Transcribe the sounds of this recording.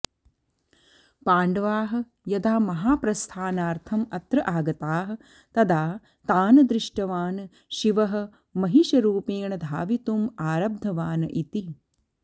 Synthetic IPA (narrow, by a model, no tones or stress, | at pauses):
paːɳɖɐʋaːɦɐ̆ | jɐd̪aːmɐɦaːpɾɐst̪ʰaːnaːɾt̪ʰɐmɐt̪ɾɐʔaːɡɐt̪aːɦɐ̆ | t̪ɐd̪aː | t̪aːnɐd̪ɾɪʂʈɐʋaːnɨ | ʃiʋɐɦɐ̆ | mɐɦiʃɐɾuːpeːɳɐd̪ʱaːʋit̪umaːɾɐb̚d̪ʱɐʋaːnɐʔit̪i